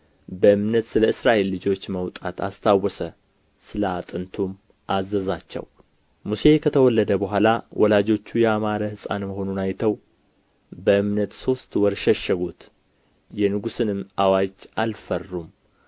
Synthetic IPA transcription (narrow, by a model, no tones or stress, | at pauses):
bəɨmnət̪sɨləɨsɾaʔe̞lːɨd͡ʒo̞t͡ʃːməwt̪ʼat̪ʰa̰st̪ʰawɔsə | sɨləat̪ʼɨnt̪ʰum | ʔazːəzat͡ʃːɛ̰w | muse̞kʰət̪ʰəwɔlːəd̪əbəɦʷalawʔɔlad͡ʒo̞t͡ʃːujɛamaɾəhɨsʼa̰nməɦo̞nunajt̪ʰəw | bəʔɨmnət̪so̞st̪wɔɾʃɛʃəɡut̪ | jɛnɨɡusɨnɨmʔawad͡ʒʔalfərːum